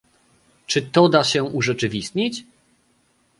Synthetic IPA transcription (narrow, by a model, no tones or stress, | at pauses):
t͡ʂɘt̪ɔd̪aɕɛʔuʐɛt͡ʂɘvʲist̪ɲit͡ɕ